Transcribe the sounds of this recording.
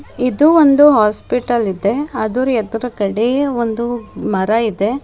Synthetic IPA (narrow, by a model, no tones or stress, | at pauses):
id̪uond̪uɦaːspiʈɐlid̪e̞ɐd̪uɾuɛd̪ɐɾɐkɐɽeond̪umɐɾɐid̪e̞